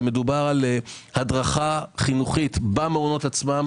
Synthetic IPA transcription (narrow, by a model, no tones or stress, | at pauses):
me̞dubaʁalhadʁaχaχinuχit̪bameuno̞tat͡smam